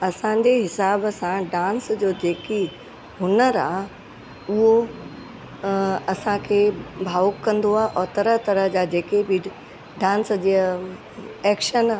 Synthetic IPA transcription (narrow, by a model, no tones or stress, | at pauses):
ɐsãd͡ʑeɦɪsaːbsãɖãːnsd͡ʑoːd͡ʑeːki | ɦʊnəɾaː | ʊɦo | ɐsãkʰebʱaːʊkːɐ̃nd̪oaːʔɔːɾt̪ɐɾəɦt̪ɐɾəɦd͡ʑad͡ʑeːkebɪ | ɖãːnsd͡ʑi | ɛːkʃəna